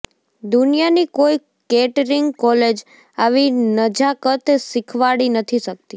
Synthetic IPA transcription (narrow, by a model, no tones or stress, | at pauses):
d̪unijanikoi | keʈɾiŋɡkɔled͡ʒ | aʋinəd͡ʒakət̪sɪkʰʋaɽinət̪ʰiʃək̚t̪i